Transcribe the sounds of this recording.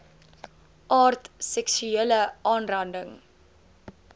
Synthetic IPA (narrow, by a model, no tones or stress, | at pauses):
ʔɑːrtsɛksyeːləʔɑːnrɐndəŋ